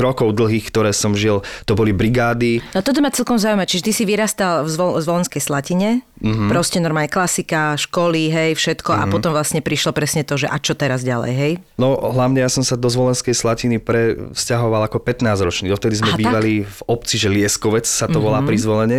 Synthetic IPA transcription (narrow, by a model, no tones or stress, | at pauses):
ɾɔkɔʊd̪l̩ɦiːxkt̪ɔɾɛːsɔmʒilt̪ɔbɔlibɾiɡaːd̪iat̪ɔt̪̬ɔmat͡sɛlkɔmzaʊujmat͡ʃiʒɛt̪isiʋiɾaːst̪alvzɔzʋɔlɛnskɛjslaciɲɛ | m̩ɦpɾɔscɛnɔɾmaːlɲɛklasikaʃkɔliɦɛjfʃɛt̪kɔʔa̰pɔt̪ɔmʋlasɲɛpɾiʃlɔpɾɛsɲɛt̪ɔʒɛʔat͡ʃɔt̪ɛɾazɟalɛ̰jɦɛj | nɔɦlaʊɲɛjasɔmsad̪ɔzʋɔlɛnskɛjslacinipɾɛfscaɦɔʋalˠakɔpɛt̪naːzɾɔt͡ʃniːd̪ɔft̪ɛd̪izmmɛbiːʋalivɔp̚t͡siʒɛlɪɛskɔʋɛt͡ssat̪ɔʋɔlaːpɾizʋɔlɛɲɛ